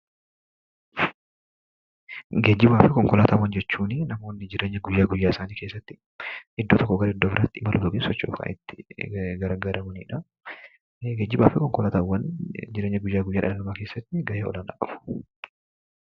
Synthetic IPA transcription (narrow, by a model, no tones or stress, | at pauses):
ɡeːd͡ʒːɪbaːfɪkɔŋkɔlaːt̪ʰɐwɐnd͡ʒɛt͡ʃːuːnɪnɐmo̞ːnːɪd͡ʒɪɾe̞ːɲːɐɡʊjːaːɡʊjːaːɪsaːniːkeːsːɐt̪ːɪ | ʔɪd̪ːoːt̪ɔkːɔɡɐɾɪd̪ːoːbɪɾaːt̪ːɪʔɪmɐlʔʊt̪ʊɡeːnsɔt͡ʃːo̰ːfka̰ːʔɪ̰t̪ːɪ̥ɡɐɾaɡɐɾɐmɐnḭːᶑɐ | ɡeːd͡ʒːɪbaːfɪkɔŋkɔlaːt̪ɐwːɐnd͡ʒɪɾeːɲːɐɡʊjːaːɡʊjːaːᶑɐ̰lɐlɐmaːke̞ːsːɐt̪ːɪɡɐheːɔ̰lɐna̰ːkʼɐfʊ̥